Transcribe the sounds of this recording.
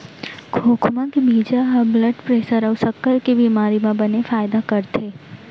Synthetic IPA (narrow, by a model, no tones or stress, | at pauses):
kʰokʰmãkebid͡ʒaɦabləɖpɾesəɾəʋsəkːəɾkebimaɾimãbənefajd̪akəɾt̪ʰe